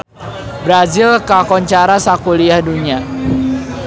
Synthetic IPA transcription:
bɾazɪlkakɔɲt͡ʃaɾasakuliahduɲa

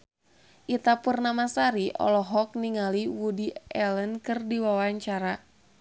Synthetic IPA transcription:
ʔit̪apurnamasaɾiʔɔ̰lɔɦɔk̚niŋaliwudiɛlənkɨrdiwawaɲt͡ʃaɾa

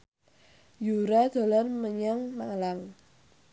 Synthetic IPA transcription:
juɾad̪̥o̤lanməɲaŋmalaŋ

